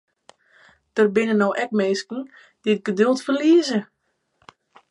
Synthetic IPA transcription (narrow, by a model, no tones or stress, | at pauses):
d̥ərbɪnənowʔɛk̚meːskn̩ | d̥ɪət̚ɡədølˠtfərliəzə